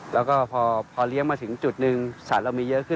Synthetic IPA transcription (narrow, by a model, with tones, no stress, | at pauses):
lɛː˦˥wkɔː˥˩pʰɔː˧pʰɔː˧li˦˥əŋmaː˧t̪ʰɯ˩˦ŋt͡ɕu˨˩t̪̚nɯ˧ŋsa˨˩t̪̚ɾa˧wmiː˧jɤ˦˥ʔkʰɯ˥˩˨